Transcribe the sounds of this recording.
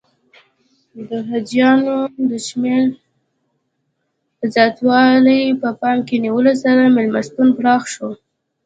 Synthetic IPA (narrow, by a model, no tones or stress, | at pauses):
d̪əɦad̪jɑnod̪əʃmeɾ | zjɑt̪wɑlajpəpɑmkeniwəlosaɾamɪlmast̪unpɽɑxʃo